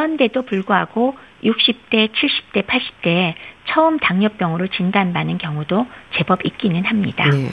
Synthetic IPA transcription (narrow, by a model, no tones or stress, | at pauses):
ande̞dopuɭɡoɦaɡo | juk̚ɕ͈ip̚t͈e̞t͡ɕʰiɭɕ͈i̥p̚t͈e̞pʰaɭɕ͈i̥p̚t͈e̞t͡ɕʰʌɯmtaŋɲʌp̚p͈jʌŋɯɾot͡ɕindanbanɯnkjʌŋudot͡ɕe̞bʌbik͈inɯnɦamɲida